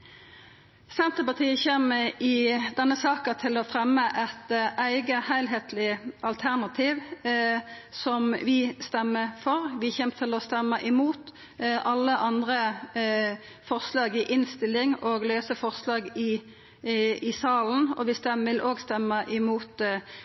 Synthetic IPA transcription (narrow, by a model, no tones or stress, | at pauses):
sɛnt̪əpɑʁt̪ʰiːəçeːməɪd̪ɛnːəsɑːkət̪ʰɪlɔfʁɛmːəʔɛt̪ʔæɪɡəhæɪlɦeːt̪ʰlɪʔɑlt̪ʰæʁnɑt̪ʰiːʋ | sɔmʋɪst̪ɛmːəfɔʁʋɪçɛmt̪ʰɪlɔst̪ɛmːəʔɪmuːt̪ | ʔɑlːəʔɑnd̪ʁə | fɔʁslɑːɡɪʔɪnst̪ɪlːɪŋoːɡløːsəfɔʁslɑːɡɪ | ɪsɑːln̩ɔ̰ʋɪst̪ɛmʋɪlʔoːɡst̪ɛmːəʔɪmuːt̪